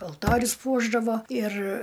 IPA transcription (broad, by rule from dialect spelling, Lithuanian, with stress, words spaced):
ɐlˠˈtoːrʲʊs ˈpuɔʒdɐʋoː ɪr